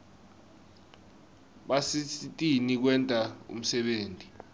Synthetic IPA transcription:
ɓasitʼinik̬wɛntʼaṵm̩sɛɓeːntʼi

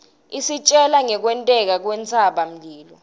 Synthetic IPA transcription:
isit͡ʃʼɛlaŋɛk̬wɛntʼɛk̬ak̬wɛnt͡sʰʼaɓam̩liːlɔ

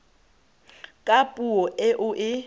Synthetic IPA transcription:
kʼapʼuɔʔɪʔʊʔɪ

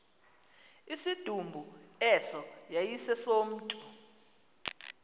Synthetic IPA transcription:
isid̥ʱumbʱuɛsɔjajisɛsom̩ːtʼu

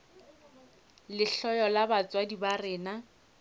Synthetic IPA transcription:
lɪɬɔjɔlabat͡swadibarɪːna

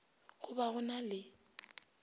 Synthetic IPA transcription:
ɣʊbaɣʊnalɪ

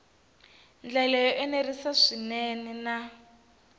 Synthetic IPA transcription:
nd͡ɮalɛjɔʔɛnerisaʂinɛnɛna

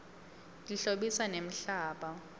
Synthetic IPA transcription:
diɬoɓisanem̩ɬaːɓa

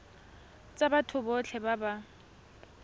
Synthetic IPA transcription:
t͡sʼabatʰʊbɔt͡ɬʰɛbaba

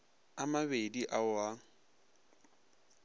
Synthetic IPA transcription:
amabediʔaʊa

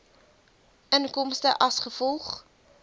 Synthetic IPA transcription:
ʔənkɔmstəʔɐsχəfɔlˠχ

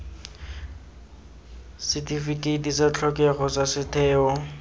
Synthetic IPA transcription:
sɪtʼifikʼetʼisat͡ɬʰɔkʼɛχɔsasɪtʰɛːɔ

